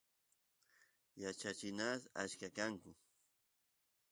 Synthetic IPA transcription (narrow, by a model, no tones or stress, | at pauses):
jat͡ʃat͡ʃɪnasa̰t͡ʃkakaŋkʊ